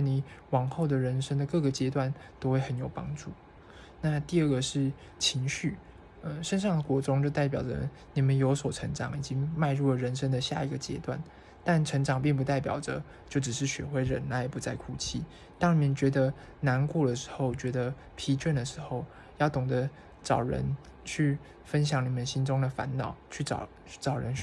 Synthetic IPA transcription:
ni˨˩˦wɑ˨˩ŋxo˥˩ʊd̪ə˩ɻə˧˥nʂə˥ŋd̪ə˨kɤ˥˩ɡə˩t͡ɕjɛ˥t̪wa˥˩nt̪o˥ʊxwe˥˩ɪxə˧˦njo˨˩ʊpɑ̰˥ŋʈ͡ʂu˥˩ | na˥˧t̪i˥˧ə˥˩ɡə˩ʂɻ̩˥˩ | t͡ɕʰi˧˥ŋɕy˥˩ | ə˧ʂə˥˧nʂɑ˥˩ŋə˩kwɔ˧˥ʈ͡ʂʊ˥ŋt͡ɕjo˥˧t̪a˥˩ɪpjɑ˨˩ʊə̰˦ | ni˨˩mə˦njo˧˥ʊswɔ˨˩ʈ͡ʂʰə˧˥ŋʈ͡ʂɑ˨˩ŋi˨˩t͡ɕi˦ŋma˥˧ɪɻu˥˩lə˩ɻə˧˥nʂə˥ŋd̪ə˨ɕja̰˥˩i˨˩ɡə˩t͡ɕjɛ̰˥t̪wa̰˥˩n | t̪a˥˩nʈ͡ʂʰə˧˥ŋʈ͡ʂɑ˨˩ŋpi˥˧ŋp̬u˧˥t̪a˥˩ɪpjɑ̰˨˩ʊdə̰˦ | t͡ɕjo˥˩ʊʈ͡ʂ̩˨˩ʂɻ̩˥˩ɕɥɛ̰˧˥xwe˥˩ɪɻə˧˥nna˥jɛ˨˩pu˧˥t͡sa˥˩ɪkʰu˥˩t͡ɕʰi˥˩ | t̪ɑ˥ŋni˨˩mə˨nt͡ɕɥɛ˧˥d̪ə˧ | na˧˥nku˥˩lə˩ʂɻ̩̥˧˥xo˥˩ʊt͡ɕɥɛ˧˥d̪ə˧ | pʰi˧˥t͡ɕʰɥɛ˥˩nd̪ə˩ʂɻ̩˧˥xo˥˧ʊ | jɑ˥˩ʊt̪ʊ˨˩ŋd̪ə˦ | ʈ͡ʂɑ˨˩ʊɻə̰˧˦˥n | t͡ɕʰy˥˩ | fə˥nɕ̬jɑ˨˩ŋni˨˩mə˨nɕi˥nʈ͡ʂʊ˥ŋd̪ə˨fa̰˧˥nnɑ˨˩˦ʊt͡ɕʰy˥˩ʈ͡ʂɑ̰˨˩ʊ˥ʈ͡ʂɑ˨˩ʊɻə˧˦n

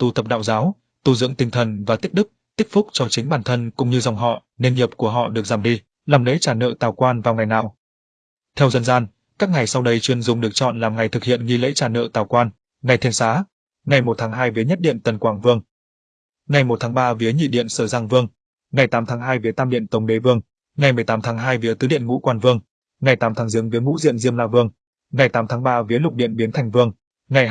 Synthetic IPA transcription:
t̪u˧˩t̪ʰə˨˩p̚ɗa̰ː˧˨wzaː˨˦w | t̪u˧zɨ̰˧˥əŋt̪ï˧ŋ̟t̪ʰə˨˩nvaː˨˩t̪ï˦˥k̚ɗɨ˦˥k̚t̪ï˦˥k̚fʊ˦˥k͡p̚t͡ɕɔ˧t͡ɕï̟˨˦ɓaː˧˩nt̪ʰə˧nkʊ̰˧˥ŋ͡mɲɨ˧za˨˩wŋ͡mɦɔ̰˧˨ | ne˧nɲi˨˩p̚ku˧˩əɦɔ̰˧˨ɗɨ˨˩ək̚zaː˧˩mɗi˧ | laː˨˩mlḛ˧˥t͡ɕaː˧˩nə̰ː˧˨t̪aː˨˩wkwaː˧nvaː˨˩wŋa˨˩jna̰ː˨˩w | t̪ʰɛ˧wzə˧nzaː˧n | kaː˦˥k̚ŋa˨˩jsa˧wɗə˧jt͡ɕwi˧ənzʊ˨˩ŋ͡mɗɨ˨˩ək̚t͡ɕɔ̰˧˨nlaː˨˩mŋa˨˩jt̪ʰɨ˨˩k̚hḭ˧˨ənŋi˧lḛ˧˥t͡ɕaː˧˩nə̰ː˧˨t̪aː˨˩wkwaː˧n | ŋa˨˩jt̪ʰɛ˧nsaː˨˦ | ŋa˨˩jmo˨˩t̚t̪ʰaː˨˦ŋɦaː˧jvi˨˦əɲə˦˥t̚ɗḭ˧˨ənt̪ə˨˩nkwaː˧˩ŋvɨ˧əŋ | ŋa˨˩jmo˨˩t̚t̪ʰaː˨˦ŋɓaː˧vi˨˦əɲḭ˧˨ɗḭ˧˨ənsəː˧˩zaː˧ŋvɨ˧əŋ | ŋa˨˩jt̪aː˨˦mt̪ʰaː˨˦ŋɦaː˧jvi˨˦ət̪aː˧mɗḭ˧˨ənt̪ə˨˦wŋ͡mɗe˨˦vɨ˧əŋ | ŋa˨˩jmɨ˨˩əjt̪aː˨˦mt̪ʰaː˨˦ŋɦaː˧jvi˨˦ət̪ɨ˨˦ɗḭ˧˨ənŋṵ˧˥kwaː˧˩nvɨ˧əŋ | ŋa˨˩jt̪aː˨˦mt̪ʰaː˨˦ŋzɨ˨˦əŋvi˨˦əŋṵ˧˥zḭ˧˨ənzi˧əmlaː˧vɨ˧əŋ | ŋa˨˩jt̪aː˨˦mt̪ʰaː˨˦ŋɓaː˧vi˨˦lʊ˨˩k͡p̚ɗḭ˧˨ənɓi˨˦ənt̪ʰa˨˩jŋ̟vɨ˧əŋ | ŋa˨˩j

